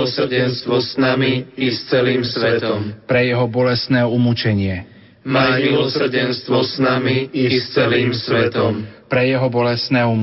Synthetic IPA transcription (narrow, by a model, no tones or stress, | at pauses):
sr̩ɟɛnst̪ʋɔsnamiist͡sɛliːmsʋɛt̪ɔmpɾɛjɛɦɔbɔlɛst̪nɛːumut͡ʃɛɲɪɛ | mamilɔsr̩dɛnst̪ʋɔsnamiist͡sɛliːmsʋɛt̪ɔmpɾɛjɛɦɔbɔlɛst̪nɛːum